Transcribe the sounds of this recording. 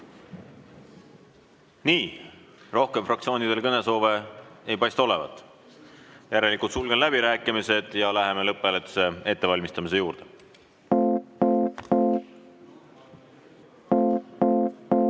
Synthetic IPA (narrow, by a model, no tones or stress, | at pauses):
niːro̞hke̞mfrɑkt̪sio̞ːnid̪̥e̞lkɤne̞so̞ːve̞ejpɑjst̪o̞le̞vɑ̰t̪ːˑ | jæɾe̞likult̪sulɡ̥e̞nlæb̥iɾæːkːˑimise̞d̪̥jɑlæɦe̞me̞lɤpːˑelet̪ːse̞e̞t̪ːe̞vɑlʲmist̪ɑmis̬e̞juːɾd̪̥e